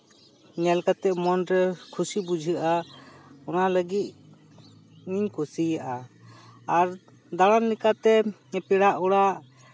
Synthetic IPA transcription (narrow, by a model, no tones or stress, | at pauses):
nɛlkat̪ɛʔmɔnɾɛkʰusibud͡ʒʱɯʔa | ɔnaləɡit̪̚ | ɲiɲkʰusijaʔa | aɾ | d̪aɽanlɛkat̪ɛɛpɛɽaʔɔɽaʔ